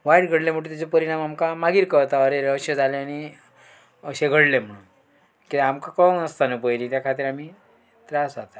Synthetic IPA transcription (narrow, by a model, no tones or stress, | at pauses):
ʋaiʈɡʱəɽlem̤əʈũt̪at͡sepəɾiɽ̃amamkamaɡiːɾkət̪aəɾeɾəɕed͡zʱaleañi | əɕeɡʱəɽlem̤əɽuːn | kit̪amkakəwnəst̪anəpəjliːt̪jakʰat̪iːɾamiː | t̪ɾasd͡zat̪ḁ